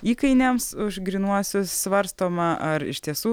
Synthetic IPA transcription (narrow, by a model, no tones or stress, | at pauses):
iːkɐɪnʲɛmsʊʒɡɾʲinuɔsʲʊssʋɐɾst̪oːmɐʔɐɾɪ̰ʃʲt̪ʲiɛsuː